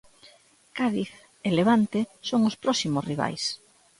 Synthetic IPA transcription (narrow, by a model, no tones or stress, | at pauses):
kaðiθ | eleβ̞ant̪esoŋʊspɾɔsimosriβ̞a̰js